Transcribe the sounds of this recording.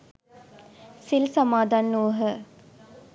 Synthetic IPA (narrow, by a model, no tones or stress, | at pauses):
silsamaːd̪anːuʋəɦə